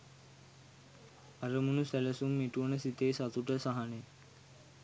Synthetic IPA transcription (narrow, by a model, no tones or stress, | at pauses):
aɾəmunusæləsumːiʈuʋənəsit̪eːsat̪uʈəsaɦane